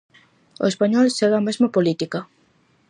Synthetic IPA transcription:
o̰espaɲɔlseɣaːmezmapolit̪ika

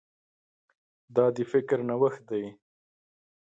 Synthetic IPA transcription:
d̪ɑd̪əfɪkɾnawəxt̪̚d̪aj

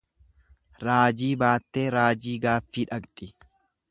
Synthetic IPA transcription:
ɾaːd͡ʒiːbaːt̪ːe̞ːɾaːd͡ʒiːɡaːfːiːᶑɐkt̪ʼɪ

